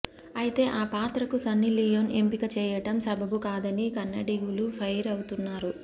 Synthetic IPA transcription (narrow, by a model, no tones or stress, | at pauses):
ɐjit̪e̞ːʔaːpaːt̪ɾɐkusɐnːilijonempikɐt͡ʃɛːjɐʈɐmsɐbʱɐbukaːd̪ɐnikɐnːɐɖiɡulupʰɐjɾɐwut̪unːaːɾu